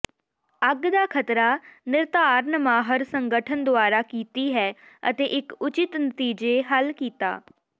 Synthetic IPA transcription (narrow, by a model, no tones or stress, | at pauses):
əɡd̪aːkʰət̪ɾaːnɪɾt̪aːɾnəmaːɦəɾsəŋɡəʈʰənd̪ʊaːɾaːkiːt̪iːɦɛː | ə̰t̪eːʔɪkʊt͡ʃɪt̪nət̪iːd͡ʒeːɦəlkiːt̪a̰ː